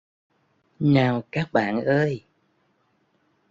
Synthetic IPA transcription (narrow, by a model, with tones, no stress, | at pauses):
naː˨˩wkaː˦˥k̚ɓa̰ː˧˨nʔəː˧j